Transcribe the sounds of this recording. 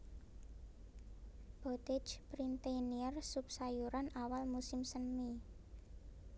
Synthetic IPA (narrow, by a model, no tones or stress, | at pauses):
b̥ot̪e̥d͡ʒpɾint̪eniɛrsupsajuɾanawalmusɪmsənmi